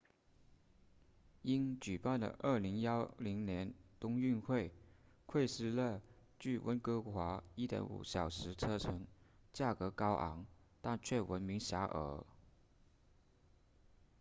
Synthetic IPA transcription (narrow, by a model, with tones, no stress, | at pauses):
i˥nt͡ɕy˨˩pa˥˩ndə̰˨˩ʔə˞˥˩li˧˥ŋjɑ˥ʊli˧˥ŋnjɛ˧˥nt̪ʊ˥ŋy˥˧nxwe˥˩ɪ | kʰwe˥˧ɪʂɻ̩˥˩lə˥˧ | t͡ɕy˥˩wʔə̰˥nkɤ˥kʰwa˧˥i˥t̪jɛ̰˧˥nṵ˨˩ɕjɑ˨˩ʊʂɻ̩˧˥t͡sʰɤ˥ʈ͡ʂʰɤ˧˥ŋt͡ɕja˥˩kɤ˧˥kɑ˥ʊʔɑ̰˧˥ŋ | t̪a˥˧nt͡ɕʰɥɛ˥˩wʔə̰˧˥nmi˧˥ŋɕja˧˥ʔə̰˧˥˦